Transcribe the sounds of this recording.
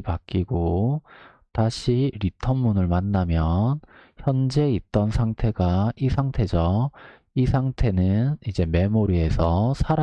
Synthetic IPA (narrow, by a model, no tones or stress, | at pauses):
pak͈iɡo | taɕʰiɾitʰʌmmunɯɭmanːamjʌnçjʌnd͡ʑe̞it̚t͈ʌnsʰaŋtʰe̞ɡaisʰaŋtʰe̞d͡ʑʌ | isʰaŋtʰe̞nɯnid͡ʑe̞me̞moɾie̞sʰʌsʰaɾ